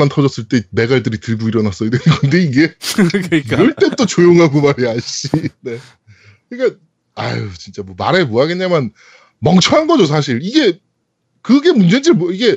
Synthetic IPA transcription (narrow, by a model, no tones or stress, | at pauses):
antʰʌd͡ʑʌs͈ɯɭt͈e̞me̞ɡaɭdɯɾitɯɭɡoiɾʌnas͈ʌɯiɡɯnde̞iɡe̞ | k͈ɾʌɭt͈e̞t͈ot͡ɕojoŋɦaɡomaɾiaɕ͈ine̞ | ik͈a | a̰jut͡ɕint͡ɕ͈amwʌma̰ɾe̞moɦaɡe̞nɲamjʌn | mʌŋt͡ɕʰʌɦanɡʌd͡ʑos̬ʰaɕ̬ʰiɾiɡe̞ | kɯɡe̞mund͡ʑe̞nd͡ʑiɭmʌiɡe̞